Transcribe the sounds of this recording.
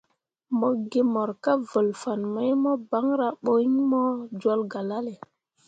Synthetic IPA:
mɔ˦˨ɡe˦mɔ˨ɾka˦və˨lfa˨nmə˦jmɔ˦ba˦ŋɾa˦ɓo˦i˦ɲmɔ˦d͡ʒwo˦lɡa˨la˦le˨

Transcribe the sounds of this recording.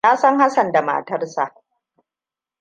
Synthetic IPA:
naː˦sɐ˦ŋha˦sɐ˨nda˨ma̰ː˨tɐ˦rsa̰˨ʔ

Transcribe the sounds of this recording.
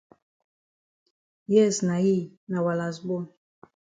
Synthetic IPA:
jɛ˦˨sna˨ji˦˨ | na˨wa˨la˨zbɔ˦n

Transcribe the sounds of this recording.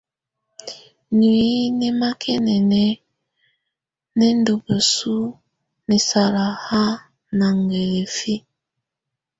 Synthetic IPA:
ni˨i˦nɛ˦ma˦kʰɛ˦nɛ˨nɛ˦ | nɛ˦n˦do˨bə˨su˦ | ni˨sa˨ɾa˨ha˦ | na˨ŋɡe˨le˨fi˦

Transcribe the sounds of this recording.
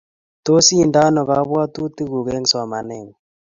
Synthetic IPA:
to˦si˦˨nda˦nɔ˨ɣa˨˦βwa˦tu˦ti˦ɣu˨ɣe˦ŋsa˨ma˨ne˨ŋ

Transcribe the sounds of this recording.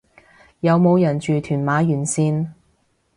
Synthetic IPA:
jɐ˨˧wmo˨˧wjɐ˨˩nt͡ʃyː˨t̪ʰyː˨˩nmaː˨˧˥jyː˨˩nsiː˧n

